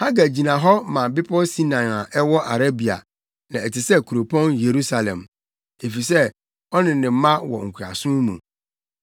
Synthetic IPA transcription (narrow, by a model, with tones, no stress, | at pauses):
ha˦ɡa˨d͡ʑi˨nã˨ɦɔ˦mã˨bɪ˦pʰɔ˦si˦nã˨na˨ʔɛ˦wɔ˦ʔa˨ɾa˦bi˨a̰˨ | nã˨ɛ˨tʰɪ˨sɛ˦kʰu˨ɾo˨pʰɔ̃˦nje˨ɾu˦sa˨lɛ̰̃˨m | e˨fi˨sɛ˦ | ɔ˦nɪ̃˨nɪ̃˨m̩˦mã˦wɔ̰˨ŋ̩˨kʰu˨a̰˨sʊ̃˦mṵ̃˨